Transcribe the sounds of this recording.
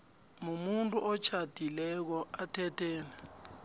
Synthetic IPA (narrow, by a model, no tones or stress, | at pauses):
mumuntʼuʔɔt͡ʃʰad̥ʱilɛk̬ɔatʰɛtʰɛːnɛ